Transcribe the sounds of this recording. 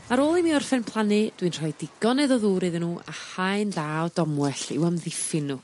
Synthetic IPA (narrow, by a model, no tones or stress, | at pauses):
maɾoːlˠimiɔrfɛnpʰlˠanɨd̥winr̥ɔjdɪɡ̥ɔnɛðɔðuːɾeðɪnuːʔa̰hajnðaːwdɔmwɛɬɪ̰wəmðɪfɪnu